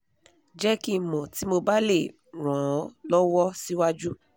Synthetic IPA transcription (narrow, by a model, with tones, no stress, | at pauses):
d͡ʒɛ˦ki˧mɔ̃˨ti˨˦mo˧ba˦le˦˨ | ɾ̃ã˨˦lɔ˦wɔ˦si˦wa˦d͡ʒu˦